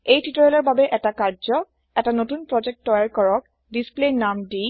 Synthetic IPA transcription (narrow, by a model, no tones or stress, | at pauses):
ejtʰitɔɹɛlɔɹbabɛʔɛtakaɹzɔ | ɛtanotunpɹɔd͡ʒɛk̚tːɔjaɹkɔɹɔk̚ | displenamdi